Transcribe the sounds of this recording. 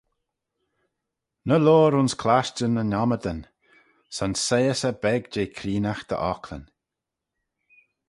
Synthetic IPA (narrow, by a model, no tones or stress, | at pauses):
nəloːɾʊnskʰlaʃtənənɔməd̪ən | sansejəsəbɛɡd͡ʒeːkʰɾiːnaxd̪̥ə̰ʔɔkʰlə̰n